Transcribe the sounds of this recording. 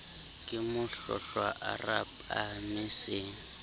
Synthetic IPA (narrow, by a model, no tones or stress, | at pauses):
kʼɪmʊɬɔ̰ɬwaʔa̰rap | amɪsɪŋ̩